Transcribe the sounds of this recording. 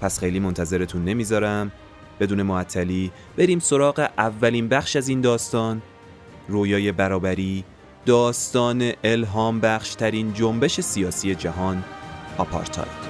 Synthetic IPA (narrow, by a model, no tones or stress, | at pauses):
pʰæsxe̞jliːmo̞nt̪ʰæze̞ɾe̞t̪ʰuːnːe̞miːzɒɾæm | b̥e̞d̪uːne̞moæt̪ʰːæliː | b̥e̞ɾiːmso̞ɾɒːɢe̞ʔævːæliːnbæxʃæziːnd̪ɒːst̪ɒːn | roːjɒːje̞bæɾɒːbæɾiː | d̪̥ɒːst̪ɒːneʔelɦɒːmbæxʃt̪ʰæɾiːnd͡ʒombe̞ʃe̞sijɒːsiːje̞d͡ʒæɦɒːnɒpʰɒ̰ːɾt̪ʰɒ̰jd̪̥